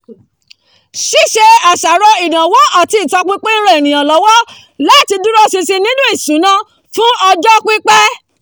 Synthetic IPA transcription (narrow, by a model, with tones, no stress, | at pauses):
ʃi˦ʃe˧a˨ʃa˨ɾɔ˧i˨nã˨wɔ˨˦a˨ti˨˦i˦˨tɔ˧k͡pi˦k͡pe˦ĩ˦ɾ̃ã˦e˨nĩ˨j̃ã˨lɔ˨˦wɔ˦ | la˨˦˨ti˧du˦ɾɔ˦si˧si˧nĩ˦nũ˦i˦˨sũ˨˦nã˦ | fũ˦ɔ˧d͡ʒɔ˦k͡pi˦k͡pɛ˦